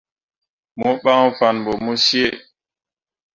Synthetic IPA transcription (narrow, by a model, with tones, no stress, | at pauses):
mɔ˦ɓa˦ŋ˦fa˨nbɔ˨mo˦si˦e˦˨